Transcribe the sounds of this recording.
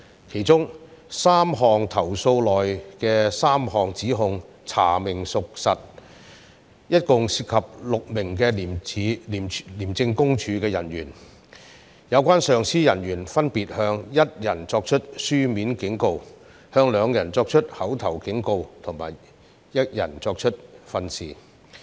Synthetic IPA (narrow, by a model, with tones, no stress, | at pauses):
kʰe˨˩jt͡sʊ˥ŋsaː˥mɦɔː˨ŋt̪ʰɐ˨˩wso˧wlɔː˨˩jkɛː˧saː˥mɦɔː˨ŋt͡siː˨˥ɦʊ˧ŋ | t͡sʰaː˨˩mɪ˨˩ŋsʊ˨k̚sɐ˨t̚ | jɐ˥t̚kʊ˨˧ŋsiː˧t̚kʰɐ˨p̚lʊ˨k̚mɪ˨˩ŋk̬ɛː˧˨i˨˥˨liː˨˩mt͡sɪ˧ŋkʊ˥ŋt͡ʃʰyː˨˧kɛː˧jɐ̰˨˩nɥyː˨˩n | jɐ˨˧wkʷaː˥nsœː˨ŋsiː˥jɐ˨˩njyː˨˩nfɐ˥npiː˨t̚hœː˧ŋjɐ˥t̚jɐ˨˩nt͡sɔː˧k̚t͡ʃʰɵ˥t̚syː˥miː˨˥nkɪ˨˥ŋko˧w | hœː˧ŋlœː˨˧ŋjɐ˨˩nt͡sɔː˧k̚t͡ʃʰɵ˥t̚hɐ˨˥wt̪ʰɐ˨˩wkɪ˨˥ŋko˧wt̪ʰʊ˨˩ŋma̰ː˨˩j | jɐ˥t̚jɐ̰˨˩nt͡sɔː˧k̚t͡ʃʰɵ˥t̚fɐ˧nsḭː˨˩